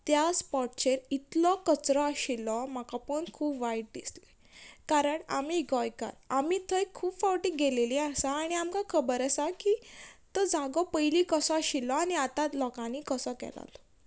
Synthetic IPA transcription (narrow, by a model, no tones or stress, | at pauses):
t̪jaspɔʈ̚t͡ɕeɾit̪lɔkət͡sɾɔaɕilɔmakapəɳkʰuːpʋajʈ̚d̪isle | kaɾəɳa̰miɡɔjka̰ɾamit̪ʰəjkʰuːbfawʈikɡeleliasaːɽ̃iamkakʰəbəɾəsakit̪ɔd͡zaɡɔpəjlikəsɔaɕilɔaniat̪at̪lɔkãnikəsɔkɛ̰la̰t̪ɔ̥